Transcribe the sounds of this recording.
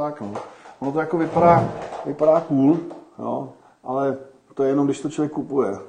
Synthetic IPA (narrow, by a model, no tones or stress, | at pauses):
t̪aknoːʔonot̪ojakovɪpadaːvɪpadaːkuːljo̰ː | ʔalɛ | t̪ojɛjɛnomdɪʃst̪ot͡ʃlovjɛkːupujɛ